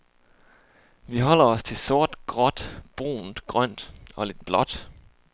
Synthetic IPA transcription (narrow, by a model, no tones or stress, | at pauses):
ʋiɦɒ̽l̰ɐɒ̽st͡sʰe̝so̝ɐ̰d̥ɡ̥ʁɒ̽d̥b̥ʁo̝̰ːnd̥ɡ̥ʁɶn̰d̥ɒ̽le̝d̥̚b̥lɒ̽d̥